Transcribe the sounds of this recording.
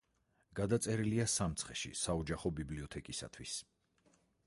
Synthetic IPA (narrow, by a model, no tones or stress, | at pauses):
ɡ̥ad̪at̪sʼɛɾiliasamt̪sʰχɛʃḭsaɔd͡ʒaχɔbibliɔt̪ʰɛkʼisa̰t̪ʰwis